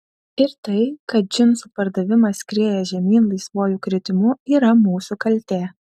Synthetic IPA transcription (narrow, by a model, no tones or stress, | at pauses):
ɪɾt̪ɐɪkɐt̪̚d͡ʒʲɪnsupɐɾd̪ɐʋʲɪmɐskɾʲeːjɛʒʲɛmʲiːnlˠɐɪsʋoːjuːkɾʲɪt̪ʲɪmʊiːɾɐmuːsukɐlʲt̪ʲeː